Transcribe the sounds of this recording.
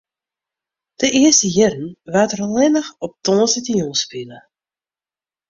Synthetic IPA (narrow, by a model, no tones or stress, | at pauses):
d̥əɪəstəjɪrən̩ʋatərlɛnəxɔp̚tɔːsətəjɔspilə